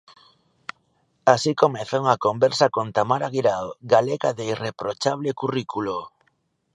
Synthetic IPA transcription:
asikomɛθauŋakombɛɾsakont̪amaɾaɣiɾaoɡaleɣaðeirepɾot͡ʃaβ̞lekurikulo

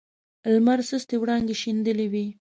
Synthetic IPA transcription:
lmaɾsəst̪ewɽɑŋɡeʃind̪əlewi

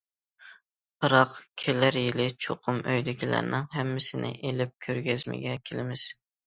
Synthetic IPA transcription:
bɨɾɑqkʲʰelæɾjɪlɪt͡ʃʰoqʰʊmøjlɪkʲʰilæ̰ɾnɪŋɦæmːɪsɪnɪ̰ʔelɪp̚kʲʰøɾɡʲɛzmɪ̰ɡʲɛkʲʰelɪmɪz̥

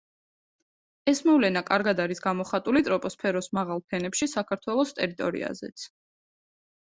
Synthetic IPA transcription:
ɛsmɔvlɛnakʼaɾɡad̪aɾisɡamɔχat̪ʼulit̪ʼɾɔpʼɔspʰɛɾɔsmaʁalˠpʰɛnɛpʃisakʰaɾt̪ʰwɛlˠɔst̪ʼɛɾit̪ʼɔɾḭa̰zɛ̰t̪sʰ

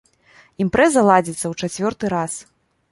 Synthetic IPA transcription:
impɾɛzɐlˠad͡zʲit̪sːɐwt͡ʂat͡sʲvʲɔrt̪ɨɾas

